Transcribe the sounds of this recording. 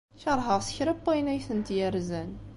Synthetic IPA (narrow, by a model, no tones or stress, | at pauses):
çɑɾˤɦəʁsə̥çɾəpːæjnæjθənt̪jæɾzæn